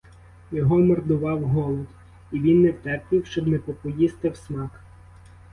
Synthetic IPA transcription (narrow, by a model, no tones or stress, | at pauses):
jɔɦɔmɔrd̪ʊʋɑwɦɔlˠɔt̪ | iʋʲinːɛwt̪ɛrpʲiwʃt͡ʃɔbnɛpɔpɔjist̪ɐwsmɑk